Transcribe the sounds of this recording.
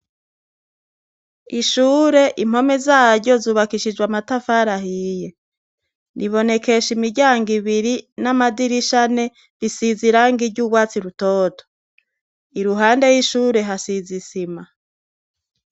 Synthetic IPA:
iʃuːɾe̞ʔim̥ho̞me̞zaːɾɟo̞zuːβakiʃid͡ʒwamatafaɾaɦije̞ | nʔiβo̞ne̞ke̞ʃimiɟaːŋɡiβiɾinamadiɾiʃane̞ | ɾisiziɾaŋɡiɟuːɡwaːt͡siɾutoːto̥ | iɾuɦaːnde̞jiʃuːɾe̞ɦasizisima

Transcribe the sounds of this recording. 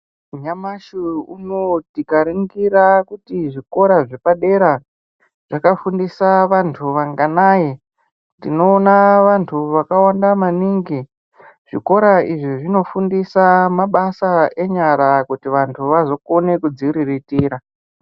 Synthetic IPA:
ɲamaʃiunotikaɾiŋɡiɾakutiʐiko̞ɾaʐe̞paɗe̞ɾa | ʐ̥akafundisaʋantʰuʋaŋɡanaːje | tino̞ːnaʋantʰuʋakawandamaniŋɡi | ʐ̥iko̞ɾaiʐiʐino̞fundisamaɓasae̞ɲaɾakutiʋantʰuʋazo̞ko̞ne̞kud͡ziɾiritiːɾa

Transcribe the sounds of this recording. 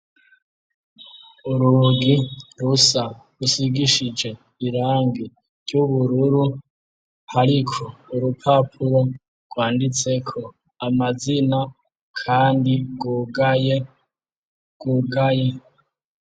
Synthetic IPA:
uɾuɡiɾusa | ɾusiɡiʃid͡ʒe̞ | iɾaːŋɡi | ɾɟuβuɾuɾu | haɾikʰouɾupʰapʰuɾo̞ | ɡ̥waːndit͡se̞kʰo̞ | amazina | kʰaːndiɡuɡaje | ɡ̥uɡaje

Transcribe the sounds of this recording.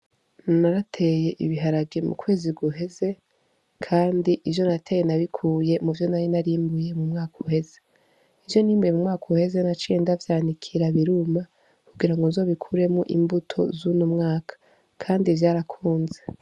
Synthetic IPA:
naɾatʰe̞je̞ʔiβiɦaɾabɡimṵkwe̞ːziɡuɦe̞ze̞ | kʰaːndiʔivjo̞natʰe̞jenaβikʰuːje̞muvjo̞naɾinaɾiːmbuje̞mumŋaːkʰuhe̞ze̞ | ijo̞niːmbujemumŋaːkʰuhe̞ze̞nat͡ʃiːndavjaːnikʰiɾaβiɾuma | kuɡiɾaŋɡonzo̞ːβikʰuɾe̞mŋoʔḭmbutʰo̞̰zunumŋaːkʰḁ | kʰaːndivjaɾakʰuːnze̞

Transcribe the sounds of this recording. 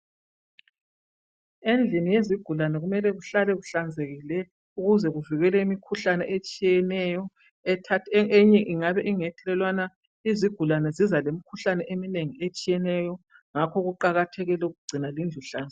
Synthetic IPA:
end͡ɮʱinijeziɡ̥ʱulanɛɣumɛlɛɣuɬalɛɣuɬand͡zʱeɣilɛ | uɣuzɛɣuviɣɛlɛimikʰuɬanɛ̰ʔet͡ʃʼijɛnɛjɔ | ɛtʰatʰeɲɛʔiŋaβɛʔiŋɛtʰʼlɛlwana | iziɡ̥ʱulanɛzizalemikʰuɬanɛʔemineŋiet͡ʃʼijɛnɛjɔ | ŋakʰɔɣuǃaɣatʰɛɣɛlɛuɣuɡ͡ǀ̥ʱinalind͡ɮʱuɬaːnd͡z

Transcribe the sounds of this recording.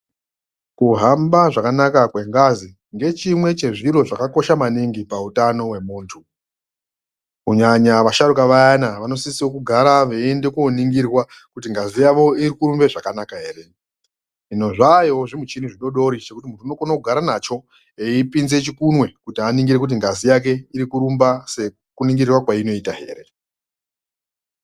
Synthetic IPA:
kuɦambaʐakanakakwe̞ŋɡazi | ŋɡe̞t͡ʃimwe̞t͡ʃe̞ʐiɾo̞ʐakako̞ʃamaniŋɡipautano̞we̞muːntʰu | uɲaɲaʋaʃaɾukaʋajanaʋano̞sisiwokuɡʱaɾaʋeende̞koniŋɡirwa | kutiŋɡazijaʋo̞iɾikuɾumbe̞ʐakanakaɦe̞ːɾe̞ | ino̞ʐajo̞ʐimut͡ʃiniʐiɗo̞ɗo̞ɾit͡ʃe̞kutimuntuino̞konakuɡʱaɾanat͡ʃo̞ | eipinze̞t͡ʃikunwe̞kutianiŋɡiɾekut̬iŋɡazijak̬e̞iɾikuɾumbase | kuniŋɡirwakwaino̞itaɦe̞̰ːɾe̞

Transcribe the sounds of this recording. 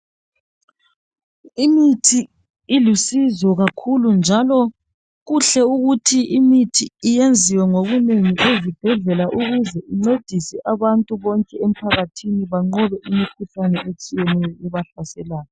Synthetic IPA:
imitʰiː | lusizɔɣakʰulund͡ʒʱalɔ | ɣuɬɛuɣutʰiimitʰiijend͡zʱiwɛŋoɣuneŋiʔezib̥ʱɛɮɛlaʔuɣuzɛʔiŋ͡ǀed̥ʱisɛʔaβantʼuβɔŋkʼɛem̩pʰaɣatʰiniβaŋ͡ǃɔβɛʔimikʰuɬanɛʔet͡ʃʼijɛnɛjɔʔɛβaɬasɛlaːjɔ

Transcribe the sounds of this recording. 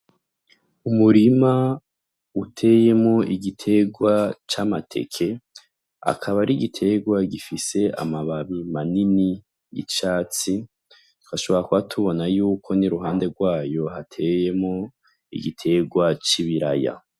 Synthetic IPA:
umuɾima | utʰeːje̞mŋo̞ʔiɡitʰe̞ɡwat͡ʃamatʰe̞̰kʰe̞ | a̰kʰaβaɾiɡitʰe̞ɡwaɡifise̞ʔa̰maβaβimanini | jḭt͡ʃaːt͡si | tu̥kaʃo̞βo̞ɾakuatʰuβo̞najuːkʰo̞niɾuɦaːnde̞ɡwaːjo̞ɦatʰe̞je̞mŋo | ḭɡitʰe̞ɡwat͡ʃiβiɾa̰ja̰

